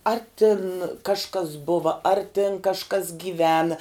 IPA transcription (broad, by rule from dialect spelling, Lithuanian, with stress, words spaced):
ɐr tʲɪn kɐʃˈkɐs ˈbʊʋɐ ɐr tʲɪn kɐʃˈkɐs ɡʲiːˈʋʲæːnɐ